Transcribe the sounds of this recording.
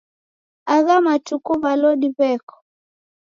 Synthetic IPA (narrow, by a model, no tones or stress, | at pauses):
aɣamatukuβalɔɗiβɛkɔ̥